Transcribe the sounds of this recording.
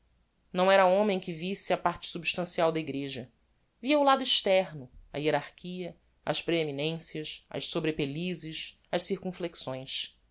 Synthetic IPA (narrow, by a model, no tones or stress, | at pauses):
nɐ̃w̃ɛɾɐõmẽj̃kɪvisɪɐpaɾt͡ʃɪ̥subiʃt̪ɐ̃siawd̪ɐiɡɾeʒɐ | viɐulad̪ʊiʃt̪ɛɾnʊɐ̰ieɾaɾkʰiɐ | ɐ̰ʃpɾeeminẽsiɐʃɐ̰ʃsobɾepelizɪʃ | ɐʃsiɾkũfleksõj̃ʃ